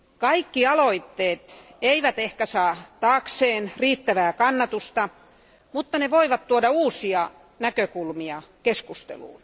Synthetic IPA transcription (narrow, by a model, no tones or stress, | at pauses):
kɑikːiɑloit̪ːeːt̪ | eiʋæt̪ehkæsɑːt̪ɑːkseːnriːt̪ːæʋæːkɑnːɑt̪ust̪ɑ | mut̪ːɑneʋoiʋɑt̪t̪uodɑuːsiɑ | nækøkulmiɑkeskust̪ḛlṵːn